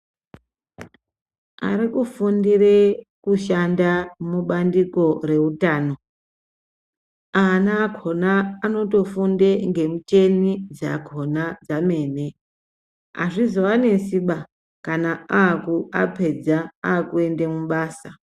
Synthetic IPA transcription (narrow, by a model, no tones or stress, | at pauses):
a̰ɾikufundirekuʃandamuɓandiko̞re̞utaːno̞ | anaːɡʱo̞naːno̞to̞fundeŋɡe̞mut͡ʃe̞nid͡zaɡʱo̞nad͡zame̞ːne̞ | a̰ʐizo̞ane̞nsiɓa | kanaaːkuapʰe̞d͡zaaːkue̞ndemuɓaːsa